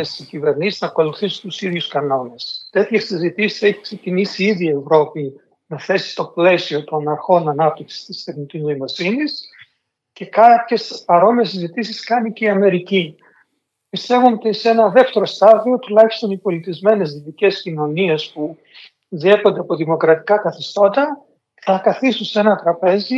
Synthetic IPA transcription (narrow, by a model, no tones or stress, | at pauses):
esicive̞ɾnisiznɐkoluθisi̥t̪usiðʝuskɐno̞ne̞st̪e̞t̪çesizit̪isi̥se̞çi̥kse̞cinisiiðie̞vɾo̞pi | nɐθe̞si̥t̪o̞ple̞sio̞t̪o̞nɐɾxo̞nɐnɐp̚t̪iksi̥st̪ist̪eθnic̪izno̞imo̞sinis | ce̞kɐpçe̞spɐɾo̞misizit̪isiskɐniceiɐme̞ɾici | pist̪e̞vunot̪ise̞nɐðe̞ft̪e̞ɾo̞st̪ɐðio̞t̪ulɐçi̥st̪o̞nipo̞lit̪izme̞ne̞zðit̪ice̞scino̞nie̞spu | ðie̞ko̞nd̪e̞ɐpo̞ðimo̞kɾɐt̪i̥kɐkɐθist̪o̞t̪ɐ | θɐkɐθist̪unsenɐt̪ɾɐpe̞zi